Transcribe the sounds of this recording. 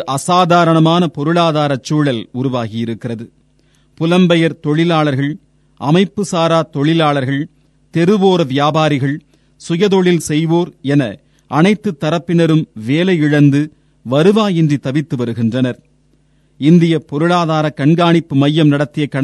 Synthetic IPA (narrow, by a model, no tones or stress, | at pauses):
ʔɐsaːðaːɾɐɳɐmaːnɐpɔɾɯɭaːðaːɾɐt͡ʃːuːɭɐlʊɾʊʋaːɣɪjɪɾɯkːɪrɐðɯ | pʊlɐmbɐjɐɾt̪ɔɭɪlaːɭɐɾɣɐɭ | ʔɐmɐɪpːɯsaːɾaːt̪ɔɭɪlaːɭɐɾɣɐɭ | t̪ɛɾɯʋoːɾɐʋɪjaːbaːɾɪɣɐɭ | sʊjɐðɔɭɪlsɛjʋoːɾɛnɐ | ʔɐnɐɪt̪ːɯt̪ːɐɾɐpːɪnɐɾɯmʋeːlɐjɪɻɐnd̪ɯ | ʋɐɾɯʋaːjɛndrit̪ɐʋɪt̪ːɯʋɐɾɯɣɪndrɐnɐɾ | ɪnd̪ɪjɐpɔɾɯɭaːðaːɾɐkɐɳɡaːɳɪpːɯmɐjːɐmnɐɽɐt̪ːɪjɐkːɐɳ